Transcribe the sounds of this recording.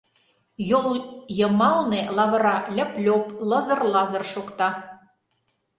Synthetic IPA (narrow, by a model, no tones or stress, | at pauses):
jolˠjɤ̆mɑlˠnelɑβɤ̆ɾɑlʲɘ̆plʲoplɤ̆zɤ̆rlɑzɤ̆rʃokt̪ɑ